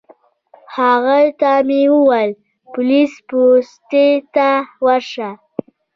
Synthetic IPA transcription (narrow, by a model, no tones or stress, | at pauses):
haɣalt̪amiwuwal | pʊlispust̪et̪awaɾʂa